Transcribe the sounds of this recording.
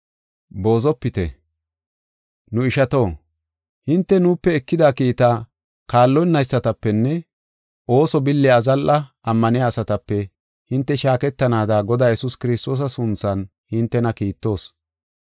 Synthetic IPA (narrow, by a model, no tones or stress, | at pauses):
bo̞ːzɔpːɪt̪ɛ̰ | nʊɪʃɐt̪o̞ː | hɪnt̪ːɛnuːpːɛɛkːɪd̪aːkiːt̪aː | kaːlːɔjnːɐjsːɐt̪ɐpːɛnːɛ | o̞ːsɔbɪlːɪɐzɐlʔɐ | ɐmːɐnɪaːsɐt̪ɐpːɛ | hɪnt̪ːɛʃaːkɛt̪ːɐnaːd̪aɡɔd̪aːjɛsʊskɪɾɪst̪o̞ːs̬ɐsʊnt͡sːɐn | hɪnt̪ːɛnɐkiːt̪ːo̞ːs